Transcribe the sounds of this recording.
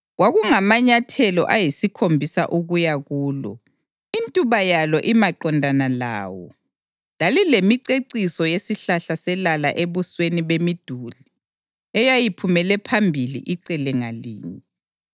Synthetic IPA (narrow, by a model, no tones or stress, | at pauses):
ɣwaɣuŋamaɲatʰɛlɔ̰ʔajisikʰombʱisa̰ʔuɣujaɣuːlɔ̰ | intʼuβajalɔʔimaǃɔndʱanala̰ːwɔ̰ | lalilemiǀeǀisɔjesiɬaɬasɛlala̰ʔeβusweniβemid̥ʱuli | ɛjajipʰumɛlɛpʰambʱilḭʔiǀɛlɛŋalḭːɲɛ